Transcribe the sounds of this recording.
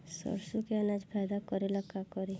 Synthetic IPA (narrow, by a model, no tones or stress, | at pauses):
sɔ̰ɾsukeɐnad͡ʒpʰɛːd̪akɔɾeləkːakɔɾe